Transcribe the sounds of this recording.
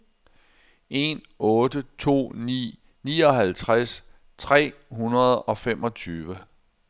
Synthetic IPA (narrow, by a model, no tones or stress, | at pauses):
e̝n | ɔ̽ːdət͡sʰo̝̰ːnḭː | niːɒ̽ɦælt͡sʰʁas | t͡sʰʁɛ̰ːɦunɐð̞̩ˠɒ̽femʔɒ̽t͡sʰyːʋə